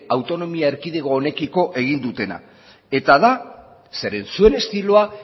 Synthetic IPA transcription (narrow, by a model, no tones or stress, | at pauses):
awt̪o̞no̞miaeɾkið̞eɣo̞ːne̞kiko̞ʔe̞ɣ̞ind̪ut̪e̞na̰ | e̞t̪aða | se̞ɾe̞nsue̞ne̞st̪iloa